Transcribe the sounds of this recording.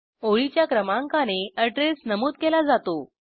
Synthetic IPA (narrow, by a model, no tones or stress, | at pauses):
oɭit͡ɕjakɾəmãŋkañeəʈɾesnəmuːt̪̚kelad͡zat̪o